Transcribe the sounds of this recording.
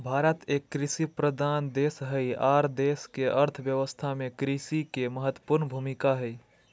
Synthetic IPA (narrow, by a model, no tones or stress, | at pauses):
bʱaːɾət̪ekːɾɪsipɾəd̪aːnd̪eːsɦəiaɾd̪eːskeʔəɾt̪ʰəʋjəʋəst̪ʰamẽkɾisikeməɦət̪ːə̥puɾnbʱumikaɦəi